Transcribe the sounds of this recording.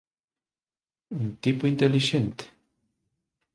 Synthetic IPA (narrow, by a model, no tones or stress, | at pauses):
unt̪ipuint̪eliʒent̪